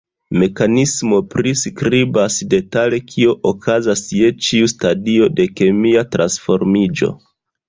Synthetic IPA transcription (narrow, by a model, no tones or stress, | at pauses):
me̞kanismo̞pɾiskɾibasde̞tale̞kʰio̞ʔokʰazasje̞t͡ʃiustadio̞de̞ke̞miatɾʔansfo̞ɾmid͡ʒo̞̰